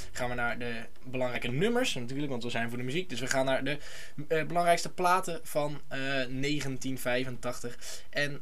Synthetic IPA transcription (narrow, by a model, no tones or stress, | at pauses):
χaːnʋənaːɹdə | bəlɑŋrɛjkənɵməɹsnatyːɹləkʋɑntʋəzɛjnvʊːɹdəmyzik̚dɵsʋəχaːnːaːɹdə | bəlɑŋrɛjkstəplaːtəv̥ɑnː | ejχəntinv̥ɛjvəntɑχtəχ | ʔɛn